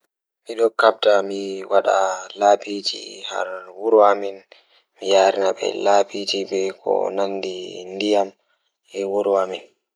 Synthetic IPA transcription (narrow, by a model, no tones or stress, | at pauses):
miɗɔkab̚tamiwaɗa̰laːpid͡ʒḭha̰ɾwuɾwamɛn | mijaːɾinaɓɛ̰laːpid͡ʒibɛkʰɔ̰nanːdindijam | ɛwuɾwamɛn